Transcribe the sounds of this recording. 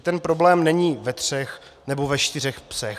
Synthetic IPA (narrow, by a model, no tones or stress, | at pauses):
t̪ɛnpɾo̞blɛːmnɛɲiːvɛt̪r̥ɛx | nɛbo̞vɛʃt̪ɪr̝ɛxpsɛx